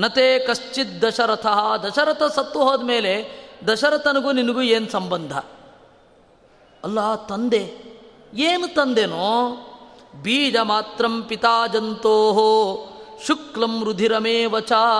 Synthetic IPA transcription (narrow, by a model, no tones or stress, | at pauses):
nɐt̪eːkɐʃt͡ʃit̪̚d̪ɐʃɐɾɐt̪ʰɐɦɐd̪ɐʃɐɾɐt̪ʰɐsɐt̪ːuɦoːd̪meːled̪ɐʃɐɾɐt̪ʰɐnɐɡuninɐɡueːnsɐmbɐnd̪ʱɐ̰ | ɐlːaːt̪ɐnd̪e | eːnut̪ɐnd̪enoː | biːd͡ʒɐmaːt̪ɾɐmpit̪aːd͡ʒɐnt̪oːɦo | ʃuklɐmɾud̪ʱiɾɐmeːʋɐt͡ʃaː